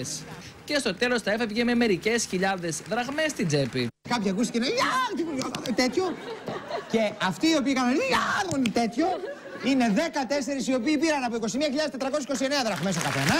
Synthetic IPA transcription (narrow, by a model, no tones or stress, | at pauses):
s | ce̞st̪o̞t̪e̞lo̞st̪ɐefevʝeme̞me̞ɾice̞sçiʎɐðe̞zðɾɐɣme̞st̪id͡zepḭkɐpçiɐkus̬t̪icenejat̪iuɐt̪et̪ço̞ | ce̞ɐft̪iːo̞piːkɐnɐniaðomoninet̪et̪ço̞ | ine̞ðekɐt̪e̞se̞ɾisio̞piːpiɾɐnɐpoiko̞simiɐçiʎɐðest̪et̪ɾɐkosesiko̞sie̞neɐðɾɐɣme̞s̬okɐθenɐ